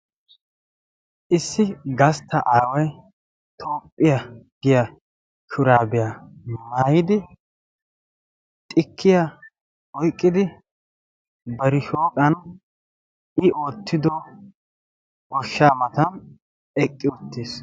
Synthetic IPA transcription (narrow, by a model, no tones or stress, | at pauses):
ʔɪsːɪɡɐst̪ːɐʔaːwɐj | t̪ʰo̞ːpʼːɪjɐɡɪjɐ | ʃʊɾaːbɛjɐmaːjɪd̪ɪ | t̪ʼɪkʰːɪjɐ | ɔjkʼːɪd̪ɪ | bɐɾɪʃoːkʼɐn | ɪʔo̞ːt̪ʰːɪd̪ɔ | ɔʃːaːmɐt̪ɐm | ɛkʼːɪʊt̪ːiːs